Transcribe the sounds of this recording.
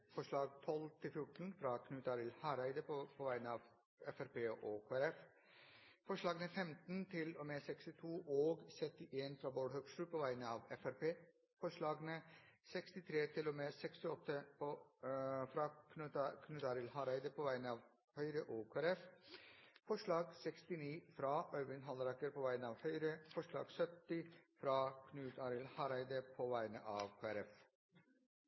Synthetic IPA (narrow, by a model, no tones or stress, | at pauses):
fɔʂɭɑːɡt̪ʰɔlt̪ʰɪlfjʊʈn̩fɾɑkʰnʉːt̪ɑɾɪlhɑɾæɪd̪əpʰoːʋæɪnəɑːʋ | ɛfæɾpeːʔokʰoæɾɛf | fɔʂɭɑːɡnəfɛmt̪nt̪ʰɪloːmeːsɛkst̪ɪt̪ʰuːʔoːɡsɛt̪ːɪʔeːnfɾɑːboːɽhœɡsʂʈʉːpʰoːʋæɪnəɑːʋɛfæɾpeː | fɔʂɭɑːɡnəsɛkst̪ɪt̪ʰɾeːt̪ʰɪloːmeːsɛkst̪ɪɔt̪ːə | fɾɑkʰnʉkʰnʉːt̪ɑːɾɪlhɑɾæɪd̪əpʰɔʋæɪnəɑːʋ | hœʏɾəʔoːkʰoːæɾɛf | fɔʂɭɑːɡsɛkst̪ɪniːfɾɑʔœʏʋɪnɦɑlɾɑkəɾpʰɔʋæɪnəɑːʋhœʏɾəfɔʂɭɑ̰ːɡsœt̪ːɪfɾɑkʰnʉːt̪ʰɑɾɪlhɑɾæɪd̪əpʰɔʋæɪnə̰ʔɑːʋkʰoːæɾɛf